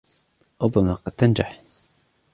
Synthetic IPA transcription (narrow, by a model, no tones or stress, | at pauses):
ɾʊbːamaqɑd̪̥̚t̪ːand͡ʒaħ